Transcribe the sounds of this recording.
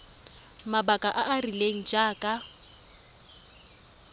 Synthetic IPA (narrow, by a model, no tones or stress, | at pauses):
mabakʼaʔaʔarileŋ̩d͡ʒʼaːkʼa